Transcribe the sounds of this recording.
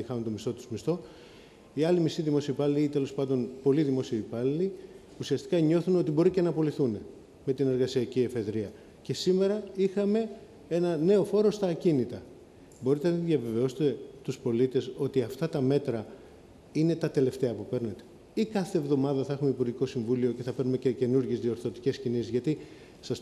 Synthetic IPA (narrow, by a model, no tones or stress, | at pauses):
ixɐunt̪omist̪o̞t̪uzmist̪o̞ | iɐlimist̪iðimo̞siɐipɐliliit̪e̞lo̞spɐnd̪o̞npo̞liðimo̞siɐipɐlili | usiɐst̪i̥kɐɲo̞θuno̞t̪ibo̞ɾicenɐpo̞liθune | me̞t̪ine̞ɾɣɐsiɐcie̞fe̞ðɾiɐ | ce̞sime̞ɾɐixɐme̞ | e̞nɐne̞o̞fo̞ɾo̞st̪ɐːcinit̪ɐ | bo̞ɾit̪enɐiðjɐve̞ve̞o̞se̥t̪e̞t̪uspo̞lit̪e̞so̞t̪iɐft̪ɐt̪ɐme̞t̪ɾɐ | ine̞t̪ɐt̪e̞le̞ft̪e̞ɐpupe̞ɾne̞t̪e̞̥ | ikɐθe̞ːvðo̞mɐðɐθɐe̞xumeipuɾʝiko̞siɱvulio̞ce̞θɐpe̞ɾnumecece̞nuɾʝe̞zðioɾθo̞t̪ice̞scinisizʝɐt̪i | sɐs